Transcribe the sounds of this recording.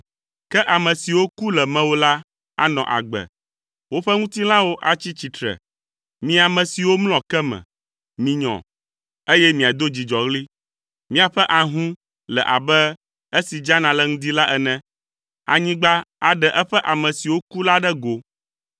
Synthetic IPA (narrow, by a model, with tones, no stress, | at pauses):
kɛ˦ʔa˨mɛ̃˨si˨wo˦ku˦lɛ˨mɛ̃˦wo˦la˦ | a̰˨nɔ̰̃˨ʔa̰˨ɡ͡bɛ̰˨ | wo˦ɸɛ˦ŋũ˦t̪i˦lã˦wo˦ʔa˨t͡ɕi˦t͡ɕi˨t̪ɾɛ̰˨ | mĩ˦a˨mɛ̃˨si˨wo˦ml̃ɔ̃˨kɛ˦mɛ̰̃˨ | mĩ˨ɲɔ̰̃˨ | e˦jɛ˦mĩ˨a˨d̪o˦d͡ʑi˨d͡ʒɔ˨ɣli˦ | mĩ˦a˨ɸɛ˦ʔa˨ɦũ˦ | lɛ̰˨ʔa̰˨bɛ˦ | e˦si˨d͡ʒa˦nã˨lɛ˦ŋũ˦d̪i˦la˦ʔɛ˦nɛ̃˦ | a̰˨ɲĩ˦ɡ͡ba˦a˨ɖɛ˨ʔɛ˦ɸɛ˦ʔa˨mɛ̃˨si˨wo˦ku˦la˦ɖɛ˦ɡo˨